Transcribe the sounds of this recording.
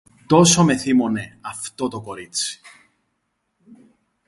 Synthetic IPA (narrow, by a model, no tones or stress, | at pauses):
t̪o̞some̞θimone̞ɐft̪ot̪oko̞ɾit͡si̥